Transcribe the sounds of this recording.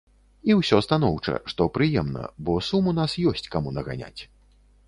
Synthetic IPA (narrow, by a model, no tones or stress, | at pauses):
iwsʲɔst̪an̪ɔwt͡ʂɐ̰ʂt̪ɔpɾɨjɛmnɐ̰bɔsumunasjɔsʲt͡sʲkamunɐɣa̰nʲa̰t͡sʲ